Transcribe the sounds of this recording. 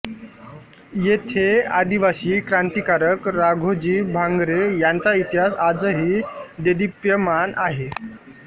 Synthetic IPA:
jet̪ʰea̰d̪iʋaɕiːkɾant̪ikaɾəkɾaɡʱod͡ʑiːbʱãŋɡɾejant͡sait̪iɦasad͡zəɦiːd̪ed̪ipjəmanʔaɦe

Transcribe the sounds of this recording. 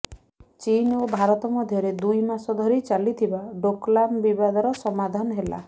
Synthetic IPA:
t͡ʃinobʱaɾɔt̪ɔmɔd̪ʱjɔɾed̪ujmasɔd̪ʱɔɾit͡ʃalit̪ʰibaɖoklambibad̪ɔɾɔsɔmad̪ʱanɔɦela̰

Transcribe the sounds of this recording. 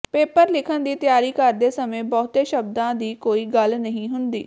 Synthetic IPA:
peːpəɾlɪkʰənd̪iːt̪ɪjaːɾiːkəɾd̪eːsəmẽːbɔːt̪eːʃəbd̪ãːd̪iːkoːiːɡəlnəɦĩːɦʊnd̪ḭː

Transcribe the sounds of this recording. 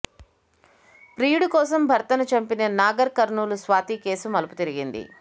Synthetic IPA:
pɾiːɽukɔːsɐmbʱɐɾt̪ɐnut͡ʃɐmpinɐnaːɡɐɾkɐɾnuːlusʋaːt̪iːke̞ːsumɐlɐput̪iɾiɡind̪ḭ

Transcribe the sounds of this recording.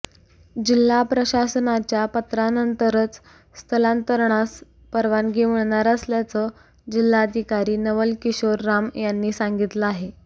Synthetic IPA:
d͡ʑil̤ːapɾəɕasənat͡ɕjapət̪ɾanənt̪əɾət͡s | st̪ʰəlant̪əɾɳas | pəɾʋanɡiʋəɳɳaɾəsljat͡səː | d͡ʑilːaəd̪ʱikaɾiːnəʋəlkiɕoɾːamjanːiːsaŋɡit̪ləaɦe

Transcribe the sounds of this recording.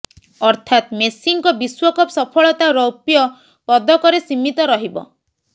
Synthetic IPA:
ɔɾt̪ʰat̪mesiŋkɔbiswɔkɔpsɔpʰɔɭɔt̪aɾɔwpjɔ | pɔd̪ɔkɔɾesimit̪ɔɾɔɦibɔ̰

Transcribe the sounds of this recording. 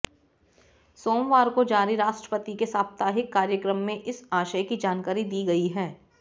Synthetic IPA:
soːmʋaːɾkod͡ʒaːɾiɾaːʃʈɾə̥pət̪ikesaːbt̪aːɦɪkːaːɾjəkɾəmːẽʔɪsaːʃəkid͡ʒaːnkaːɾid̪iːɡɐiɦɛː

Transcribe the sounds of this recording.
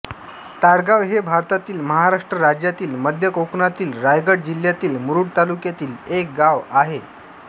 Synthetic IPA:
t̪aɽɡaʋɦebʱaɾt̪at̪iːlməɦaɾaʂʈɾəɾad͡ʑjat̪iːlməd̪ʱjəkoknat̪iːlɾajɡəɽd͡ʑil̤jat̪iːlmuɾuɽt̪alukjat̪iːlek̚ɡaʋaɦe

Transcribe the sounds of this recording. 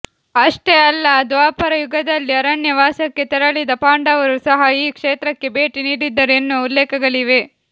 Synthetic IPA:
ɐʂʈeɐlːɐd̪ʋaːpɐɾɐjuɡɐd̪ɐlːiɐɾɐnjɐʋaːsɐkːe̞t̪ɛɾɐɭid̪ɐpaːɳɖɐʋɐɾusɐɦɐiːkʂeːt̪ɾɐkːe̞beːʈiniːɽid̪ːɐɾe̞nːuulːeːkɐɡɐɭiʋe̞

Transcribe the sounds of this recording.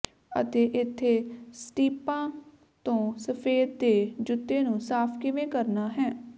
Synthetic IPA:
ə̰t̪eːʔɪt̪ʰːeːsʈiːpãː | t̪õːsəpʰeːɾ̚d̪eːd͡ʒʊt̪ːeːnũːsaːpʰkɪʋẽːkəɾnaːɦɛː

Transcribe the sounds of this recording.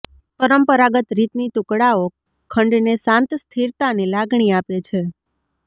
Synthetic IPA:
pəɾəmpəɾaɡət̪ɾit̪nit̪ukɽao | kʰəɳɖnesãnt̪st̪ʰiɾt̪anilaɡɳ̃iapet͡ʃʰe

